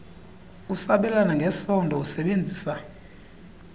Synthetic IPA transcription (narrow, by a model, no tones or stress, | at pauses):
usaɓɛlanaŋɡʱɛsɔndʱɔusɛɓend͡zʱiːsa